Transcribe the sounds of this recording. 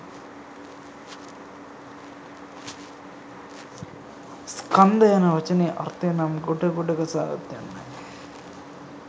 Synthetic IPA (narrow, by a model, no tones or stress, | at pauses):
skɐnd̪ɐjɐnɐʋɐt͡ʃɐneːʔɐ̰rt̪enamɡuɖɐɡuɖɐɡɐsa̰ːɡɐ̰t̪jɐ̰nːɐ̰n